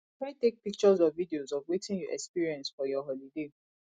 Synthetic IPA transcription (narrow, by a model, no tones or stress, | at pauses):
tɹatek̚pik̚t͡ʃɔzɔvvidiozɔvwetĩnjuʔɛ̰kspiɹiɛ̃nsfɔjɔɦɔlide